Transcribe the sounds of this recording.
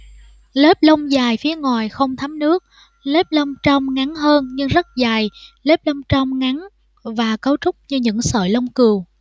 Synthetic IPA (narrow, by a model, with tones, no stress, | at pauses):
le˦˥p̚lə˧wŋ͡mzaː˨˩jfi˨˦əŋwaː˨˩jxə˧wŋ͡mt̪ʰa˨˦mnɨ˦˥ək̚ | le˦˥p̚lə˧wŋ͡mt͡ɕɔ˧wŋ͡mŋa˨˦nɦəː˧nɲɨ˧ŋzə˦˥t̚zaː˨˩jle˦˥p̚lə˧wŋ͡mt͡ɕɔ˧wŋ͡mŋa˨˦n | vaː˨˩kə˨˦wt͡ɕʊ˦˥k͡p̚ɲɨ˧ɲɨ̰˧˥ŋsə̰ː˧˨˩jlə˧wŋ͡mkɨ˨˩əw